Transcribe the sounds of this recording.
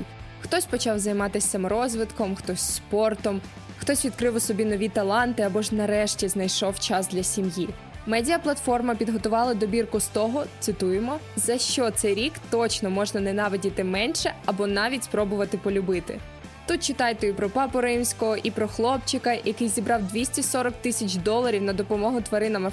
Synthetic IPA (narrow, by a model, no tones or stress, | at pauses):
xt̪ɔsʲpɔt͡ʃɑwzɐjmɑt̪ɪsʲɐmɾɔzʋɪt̪kɔmxt̪ɔsʲspɔrt̪ɔm | xt̪ɔsʲʋʲid̪̚kɾɪwʊsɔbʲinɔʋʲit̪ɐlˠɑnt̪ɪɐbɔʒnɐɾɛʃtʲiznɐjʃɔwt͡ʃɑzd̪lʲɐsʲimji | mɛdʲijɐplˠɐt̪fɔrmɐpʲid̪ɦɔt̪ʊʋɑlˠɐd̪ɔbʲirkʊst̪ɔɦɔt̪sɪt̪ujemɔ | zɐʃt͡ʃɔt̪sɛjɾʲikt̪ɔt͡ʃnɔmɔʒnɐnɛnɑʋɪdʲit̪ɪmɛnʃɛɐbɔnɑʋʲitʲspɾɔbʊʋɐt̪ɪpɔlʲʊbɪt̪ɪ̰ | t̪ut̪̚t͡ʃɪt̪ɑjt̪ɛipɾɔpɑpɔɾɪmsʲkɔɦɔʔipɾɔxlˠɔpt͡ʃɪkɐjʔɐkɪjzʲibɾɑwd̪ʲʋʲisʲtʲisɔɾɔk̚t̪ɪsʲɐt͡ʃʲd̪ɔlˠɐɾʲiwnɐd̪ɔpɔmɔɦʊt̪ʋɐɾɪnɐmɪ